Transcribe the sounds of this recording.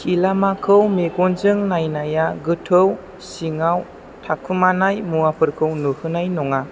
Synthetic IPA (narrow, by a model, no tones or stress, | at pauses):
kʰilamakʰɯwmeɡɔnzɯŋnajnajaɡɯtʰɯw | siŋaw | tʰakʰumanajmuapʰɯɾkʰɯwnɯhɯnajnɔŋa